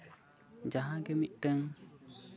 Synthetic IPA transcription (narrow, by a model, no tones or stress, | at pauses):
d͡ʒaɦãɡemitəŋ